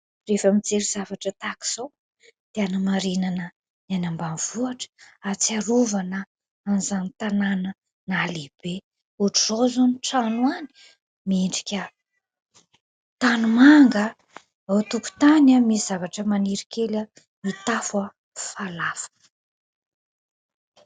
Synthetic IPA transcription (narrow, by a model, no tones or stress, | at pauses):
refəmid͡zeɾiz̥avaʈ͡ʂət̪aki̥z̥ow | d̪̥eanamaɾinanə | nanambanv̥uaʈ͡ʂə̥at͡siaɾuvanə | anizanit̪ananə | nalib̥e | uʈ͡ʂuzozoniʈ͡ʂanuani̥ | miiɳɖ͡ʐi̥kʲə | t̪anumaŋɡə | awt̪uku̥t̪anamiz̥avaʈ͡ʂəmaniɾikelə | mit̪afə | falafu̥